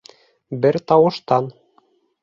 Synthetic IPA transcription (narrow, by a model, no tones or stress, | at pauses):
bɘɾt̪ɑwɤ̆ʃt̪ɑn